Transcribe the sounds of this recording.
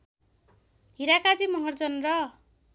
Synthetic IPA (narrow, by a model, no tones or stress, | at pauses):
ɦiɾakad͡zimʌɦʌrd͡zʌnrʌ